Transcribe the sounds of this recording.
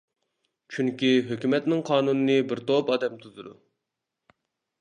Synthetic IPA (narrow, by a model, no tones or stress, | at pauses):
t͡ʃʰyŋkʲiɦøkʲymɛt̪nɪŋqʰɑːnunɨnɨbɪɾt̪ʰopɑːd̪ɛmt̪ʰuzɨd̪u